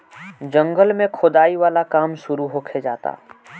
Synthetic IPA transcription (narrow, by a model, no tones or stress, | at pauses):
d͡ʒə̃ŋɡəlmẽkʰʊd̪aːiʋaːlakaːmʃʊɾuɦokʰed͡ʒa̰ːt̪a̰ː